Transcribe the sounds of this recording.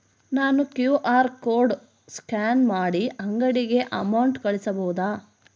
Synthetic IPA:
naːnukjuːʔaːɾkoːɾɖ | skaːnmaːɽiɐŋɡɐɽiɡe̞ʔɐmɐwɳʈkɐɭisɐbɐwud̪aː

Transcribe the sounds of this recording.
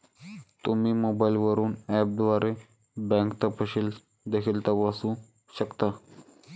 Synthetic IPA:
t̪umimoːbaɪlʋəɾuːnɛp̚d̪ʋaɾe | bɛ̃ŋkt̪əpəɕil | d̪ekʰilt̪aʋasũ | ɕəkt̪a

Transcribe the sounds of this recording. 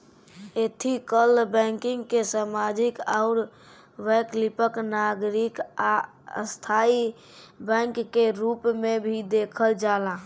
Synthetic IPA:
et̪ʰikəlbɛ̃ŋkiŋɡkesamad͡ʒikaʊɾ | ʋɛklipəknaɡɾika | ə̰st̪ʰai | bɛ̃ŋkːeɾupmebʱid̪ekʰəld͡ʒalã

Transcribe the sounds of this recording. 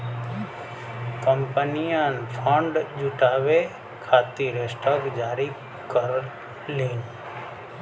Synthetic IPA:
kəmpənijãnpʰə̃ɳɖd͡ʒuʈaːʋe | kʰaːt̪iɾeːsʈaːkd͡ʒaːɾi | kəɾl | liːn

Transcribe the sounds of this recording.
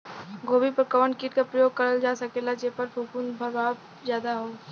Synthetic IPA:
ɡʱoːbipəɾkəʋəɳkiːʈkapɾəjoːɡ̚kɐɾəld͡ʒaːsɐkeːlad͡ʒeɦpɐɾfʰuːkunbʱɐɾbaːb | zjaːd̪aɦoː

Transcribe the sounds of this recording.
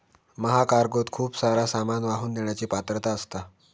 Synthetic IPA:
məɦakaɾɡot̪kʰuːpsaɾasamanʋaɦuːnd̪eɳjat͡ɕiːpat̪ɾət̪aəst̪a

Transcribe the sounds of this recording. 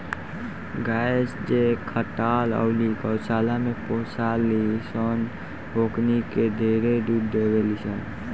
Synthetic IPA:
ɡaesd͡ʒekʰəʈalə̰ʊlikəwsalameposʰalisɔn | ɦokniked̪ʱeɾed̪udd̪eβelisən

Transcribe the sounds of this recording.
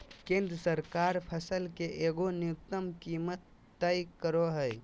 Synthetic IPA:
kẽːnd̪ɾəsəɾkaːɾpʰəsəlkeʔeɡonɪʊt̪ːəmkiːmət̪ː | əjkəɾoɦəj

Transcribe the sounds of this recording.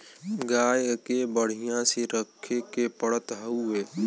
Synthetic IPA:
ɡaːjkebəɽ̤ɪjãseɾəkʰːekepəɽət̪ɦəueː

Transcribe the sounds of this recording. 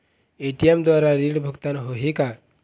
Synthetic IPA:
eʈiemd̪waɾaɾiɽbʱukt̪anɦoɦika

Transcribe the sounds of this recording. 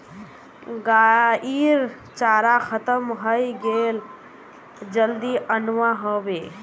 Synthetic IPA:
ɡaiɾ | t͡ʃaːɾakʰət̪əmɦəjɡel | d͡ʒəld̪iʔənʋaɦobe

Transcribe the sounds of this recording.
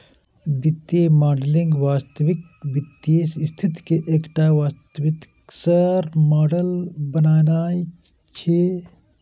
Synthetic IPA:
bit̪ːjemaːɖəlɪ̃ŋɡʋaːst̪əʋɪk̚ | bɪt̪ːjesst̪ʰit̪keʔeːkʈaːʋaːst̪əʋɪt̪ | səɾmaːɖəlbənaːnaːi | t͡ʃʰeː

